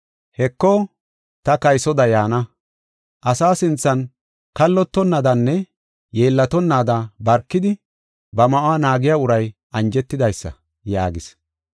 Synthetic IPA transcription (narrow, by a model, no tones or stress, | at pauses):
hɛkːɔ | t̪ɐkɐjsɔd̪ɐjaːnɐ | ʔɐsaːsɪnt͡sːɐn | kɐlːɔt̪ːɔnːɐd̪ɐnːɛ | je̞ːlːɐt̪ɔnːaːd̪ɐbɐɾkːɪd̪ɪ | bɐmɐʔwaːnaːɡɪjaːʊɾɐjʔɐnd͡ʒɛt̪ːɪd̪ɐjsːɐ̰ | ja̰ːɡɪs